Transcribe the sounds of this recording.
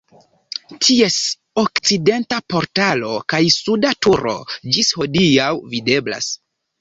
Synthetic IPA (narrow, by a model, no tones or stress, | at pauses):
tʰie̞s | okt͡side̞ntapo̞ɾtalokajsudatuɾo̞̰d͡ʒisho̞diawvide̞bla̰s